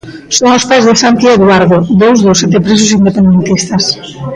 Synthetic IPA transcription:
soŋospajzðesant̪ieðwaɾðoðowzðosːɛt̪epɾisʊsind̪epend̪ent̪ist̪ɐs

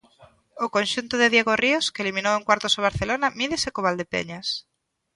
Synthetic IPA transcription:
okonʃunt̪oðeðjeɣorioskeliminoweŋkwaɾt̪osoβ̞aɾθelonamiðesekoβ̞ald̪epḛɲas

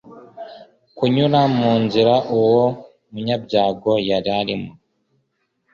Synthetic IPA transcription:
kuɲuɾamuːnziɾaʔuwo | muɲabɟaːɡo̞jaɾaɾimu

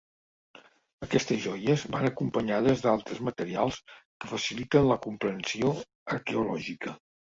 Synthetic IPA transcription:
əkɛst̪əzʒɔjəzβanəkumpəɲaðəzd̪alˠt̪ɾəzmət̪əɾialˠskəfəsilit̪ənləkumpɾənsio | əɾkeulɔʒikə

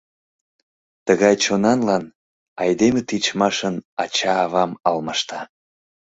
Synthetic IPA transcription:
t̪əɣɑjt͡ɕonɑnlɑn | ɑjd̪emet̪it͡ɕmɑʃənɑt͡ɕɑːβɑmɑlmɑʃt̪ɑ

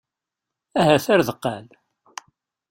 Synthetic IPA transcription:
æɦæθaɾðəqːæl

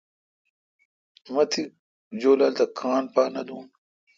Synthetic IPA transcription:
mɐt̪ʰi | d͡ʑoːlɐlt̪ɐkʰaːɳpaːnɐd̪uːn

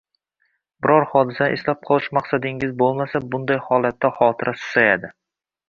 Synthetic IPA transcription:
bɪɾɒɾhɒd̪ɪsaʔeslap̚qʰɒlˠɪʃmaqsad̪ɪŋɪzbolˠmasabʊnd̪ajhɒlˠat̪ːahɒt̪ʰɪɾʔasʊ̥sajad̪ɪ

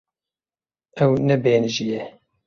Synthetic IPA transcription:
ɛwnɛbeːnɨʒijɛ

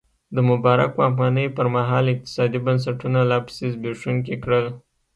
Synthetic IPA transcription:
d̪əmʊbɑɾa̰kwaafɣɑnəjpəɾmaɦɑlɪq̚t̪ɪ̥sɑd̪ibəns̬aʈunalɑpsɪzbeʂunk̬ekɽəl

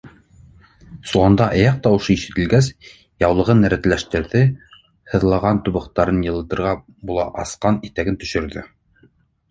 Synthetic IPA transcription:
sulˠɑnd̪ɑʔɑjɑq̚t̪ɑwɤ̆ʃɤiʃɘ̆t̪ɘ̆lɡæs | jɑwlˠɤ̆ʁɤnæɾæ̆t̪læʃt̪ɘ̆ɾðɘ | hɤ̆ðlˠɑʁɑnt̪uβɤ̆qt̪ɑɾɤnjɤ̆lˠɤ̆t̪ɤ̆ɾʁɑ | bulˠɑʔɑsqɑnit̪æɡɘnt̪ɵ̥̆ʃɵ̆ɾðɘ

